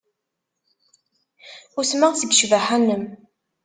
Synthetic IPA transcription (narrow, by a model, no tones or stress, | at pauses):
ʊɾsmaʁsəɡʃvaħænəm